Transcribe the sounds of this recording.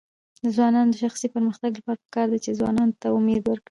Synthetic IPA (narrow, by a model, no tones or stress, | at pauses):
d̪əzwɑnɑnod̪əʃaxsipəɾməxt̪aɡlapɑɾapə̥kɑɾd̪at͡ʃezwɑ̰nɑnot̪aʊmed̪wəɾkɽi